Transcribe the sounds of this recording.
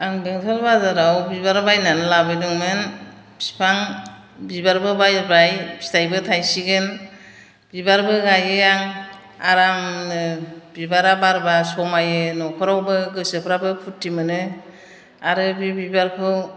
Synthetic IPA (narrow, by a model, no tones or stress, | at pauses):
aŋbeŋtʰɔlbazaɾawbibaɾbajnanɯlabɯjdɯŋmɯn | pʰi̥pʰaŋ | bibaɾbɯbajɾbɾajpʰi̥tʰajbɯtʰajsiɡɯn | bibaɾbɯɡajɯjaŋ | aɾamnɯb̥ibaɾabaɾbasɔmajɯnɔkʰɔɾɔwbɯɡɯsɯpʰɾabɯpʰutʰːimɯnɯ | aɾɯbibibaɾkʰɯ